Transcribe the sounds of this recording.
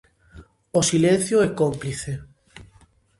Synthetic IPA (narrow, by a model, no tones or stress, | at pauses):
osilẽn̟θjoɛkompliθe